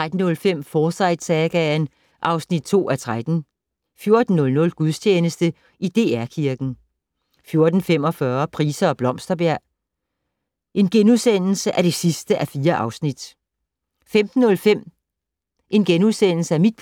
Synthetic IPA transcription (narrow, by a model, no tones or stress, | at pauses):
t͡sʁad̥n̩ːɔ̽lfem̰fɒːsɑ̈ɪ̰d̥sɛɡ̥æn | ʔɑ̈ʊsnid̥̚t͡sʰo̝̰ːæt͡sʰʁad̥n̩ | fjo̝ɐd̥n̩ːɔ̽lnɔ̽lɡ̥uðˠst͡ɕʰeːnəsd̥ə | id̥e̝æɐ̰kʰiɐɡ̥n̩ | fjo̝ɐd̥n̩fem̰ɒ̽fɶɐpʰʁiːsɐɒ̽b̥lɒ̽m̰sd̥ɐb̥æɐ̰ | ʔe̝nɡ̥enuðˠsen̰l̩səʔæɐd̥e̝sisd̥əʔæfiːɐʔɑ̈ʊsnid̥ | femd̥n̩ːɔ̽lfem̰ | ʔe̝nɡ̥enuðˠsen̰l̩səæmid̥̚pʰ